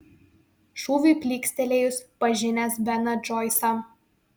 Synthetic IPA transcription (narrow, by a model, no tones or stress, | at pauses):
ʃuːʋʲuːˑpʲlʲiːksʲt̪ʲɛlʲeːjʊspɐʒʲɪnʲɛsbʲɛnɐd͡ʒɔɪsɐ